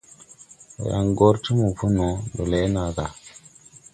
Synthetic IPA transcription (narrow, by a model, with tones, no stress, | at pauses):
ja̰˨ŋɡo˦ɾti˦mu˨fu˦no˨do˨le˦na˨ɡa˨